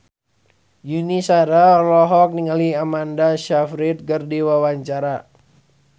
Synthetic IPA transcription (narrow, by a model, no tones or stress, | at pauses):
junisaɾalɔɦɔk̚niŋaliamandaʃafɾit̪̚ɡərdiwawaɲt͡ʃaɾa